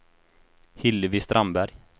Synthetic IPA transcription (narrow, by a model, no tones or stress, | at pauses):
hɪlːvɪst̪ɾʔambæɾj